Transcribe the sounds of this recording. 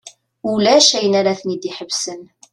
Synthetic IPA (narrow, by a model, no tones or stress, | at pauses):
ulæʃæjənaɾaθnid̪iħəvsən